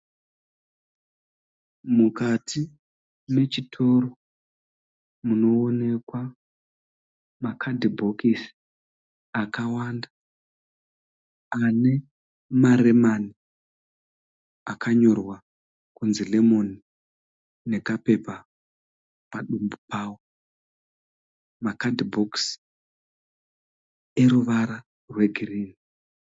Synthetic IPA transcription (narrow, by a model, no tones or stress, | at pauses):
mukatʰi | me̞t͡ʃitʰo̞ro | muno̞ːne̞kwa | makʰadibʱo̞kis | akawaːnda | ane̞ | maɾe̞mani | akʰaɲo̞rwa | kunzilemo̞ni | ne̞kape̞pa | paɗumbupaːwo | makadibʱoks | e̞ɾuʋaɾa | rwe̞ɡʱiriːni